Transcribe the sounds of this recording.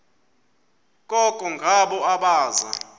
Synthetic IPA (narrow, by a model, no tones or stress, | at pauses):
k̬ʼɔkʼɔŋɡʱaɓɔaɓaːza̰